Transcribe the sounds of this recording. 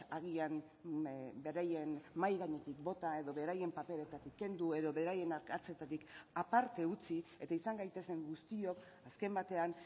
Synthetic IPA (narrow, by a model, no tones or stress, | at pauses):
aɣiam | be̞ɾaje̞nmajɣaɲe̞t̪ik̚bo̞t̪ae̞ðo̞βe̞ɾaje̞mpape̞let̪at̪ikːe̞nd̪ue̞ðo̞βe̞ɾaje̞naɾkat͡se̞t̪at̪ikapaɾt̪e̞ut͡sie̞t̪aisaŋɡajt̪e̞se̞ŋɡust̪io̞k | aske̞mbat̪e̞an